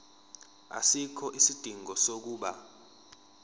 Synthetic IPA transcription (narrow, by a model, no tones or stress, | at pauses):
a̰sikʰɔʔisid̥ʱiŋɔsok̬uːɓa̰